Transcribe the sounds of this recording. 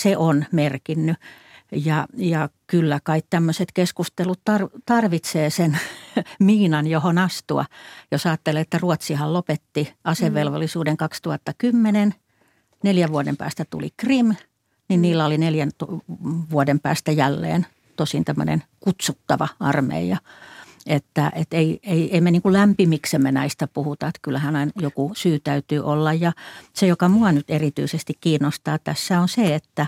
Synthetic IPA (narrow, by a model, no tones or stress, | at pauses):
seʔonmerkinːy | jɑjɑkylːækɑikt̪æmːøset̪keskust̪elut̪t̪ɑrt̪ɑrʋit̪seːsenmiːnɑnjohonɑst̪uɑ̰josɑːt̪ːeleet̪ːæruot̪sihɑllopet̪ːiɑseʋʋelʋolːisuːdeŋkɑkst̪uhɑt̪ːɑkymːenen | neljæʋʋuodempæ̰ːst̪æt̪ṵlḭkrim | ninniːlːæolineljænt̪ʋuodempæ̰ːst̪æjælːḛːn | t̪osint̪æmːø̰nḛnkut̪sut̪ːɑʋɑɑrmḛijɑ | et̪ːæʔet̪eieieimeniːŋkullæmpimiksemːenæist̪æpuhut̪ɑet̪kylːæhænɑinjokusyːt̪æyt̪yːʔolːɑjjɑsejokɑmuɑnyt̪erit̪y̰isest̪ikkiːnːost̪ɑːt̪æsːæonseet̪ːæ